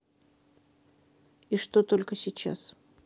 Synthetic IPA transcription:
iʂt̪ot̪o̞lʲkəsʲɪt͡ɕa̰s

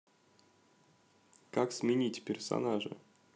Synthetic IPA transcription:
kaksmʲɪnʲitʲpʲɪrsa̰naʐɨ̰

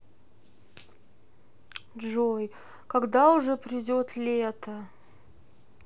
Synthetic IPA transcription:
ʐoj | kɐɡd̪aʊʐɛpɾʲɪdʲot̪lʲet̪ə

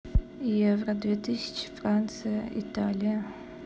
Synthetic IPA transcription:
ijɛvrɐdvetʰɨsʲi̥t͡ʃʰfrant̪sʰɨjɐḭtʰalʲijɐ

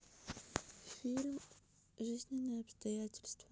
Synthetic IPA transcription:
fʲiɾɨm | ʐɨzʲnʲɪnɐɐpst̪ɐjatʲɪlʲst̪vɐ

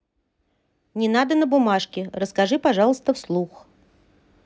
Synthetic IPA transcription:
nʲɪnad̪ənəbʊmaʂkʲɪrəskɐʐɨpɐʐɑlˠəst̪əfslˠux

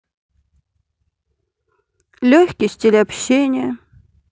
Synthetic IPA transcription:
lʲoçʲkʲɪsʲtʲɪlʲɪɐpɕːenʲɪjə

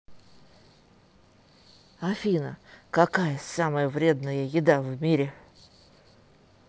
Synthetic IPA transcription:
ɐfʲinə̰kɐkajəsaməjəvɾʲe̞d̪nəjəjɪd̪avmʲiɾʲɪ

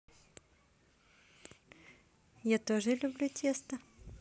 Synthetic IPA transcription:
jat̪oʐɨlʲʊblʲutʲest̪ə

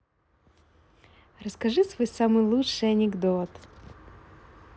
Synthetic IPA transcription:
rəskɐʐɨsvojsamɨjlˠuʂɨjɐnʲɪɡd̪ot̪

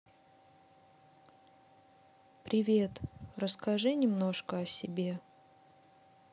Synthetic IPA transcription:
pɾʲɪvʲe̞t̪rəskɐʐɨnʲɪmno̞ʂkəɐsʲɪbʲe̞

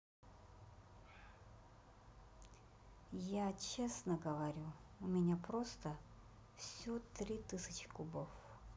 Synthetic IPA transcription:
jat͡ɕesnəɡəvɐɾʲuʊmʲɪnʲapɾost̪ə | fsʲot̪ɾʲit̪ɨsʲət͡ɕɪ̥kʊbof

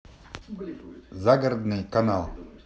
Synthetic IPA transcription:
zaɡəɾd̪nɨjkanalˠ

